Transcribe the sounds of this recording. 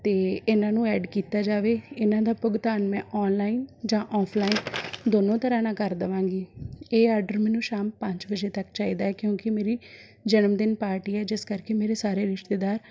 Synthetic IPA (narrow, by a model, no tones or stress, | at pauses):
t̪eːɪnãːnũːɛːɖkiːt̪aːd͡ʒaːʋeːɪnãːd̪aːpʊɡt̪aːnmɛ̃ːʔɔːnlaːiːnd͡ʒãːʔɔːpʰlaːiːnd̪oːnõːt̪əɾaːnãːkəɾd̪əʋãːɡiːeːaːɾɖəɾmɛːnũːʃaːmpəɲt͡ʃbəd͡ʒeːt̪əkt͡ʃaːiːd̪aːɛːkjõːkɪmeːɾiː | d͡ʒənəmd̪ɪnpaːɾʈiːɛːd͡ʒɪskəɾkemeːɾeːsaːɾeːɾɪʃt̪eːd̪aːɾ